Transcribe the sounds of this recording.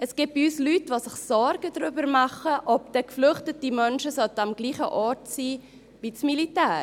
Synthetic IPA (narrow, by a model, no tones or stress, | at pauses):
əsɡ̥ɪp̚b̥iyːslytʋoːsɪχsɔɾɡ̥ədɾʏbəɾmɑχəʔɔp̚d̥ɛkflʏχtətimœnʃəsɔldamɡ̥liːχə̰ʔɔːɾtsiː | vit͡smilitæːɾ